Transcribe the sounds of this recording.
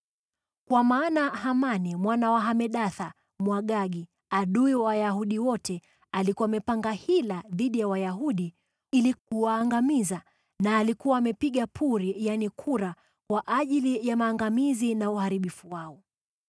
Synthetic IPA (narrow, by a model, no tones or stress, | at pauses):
kwamaːnahamanimwanawaɦamɛɗaθa | mwaɠaɡi | aɗuiwaajaɦuɗiwɔtʰɛ | alikuwamɛpaŋɡahilaðiɗijawajaɦuɗi | ilikuwaːŋɡamiza | naːlikuwaːmɛpiɠapʰuɾijanikʰuɾa | kwaʔaʄilijamaːŋɡamizinauhaɾiɓifuwaɔ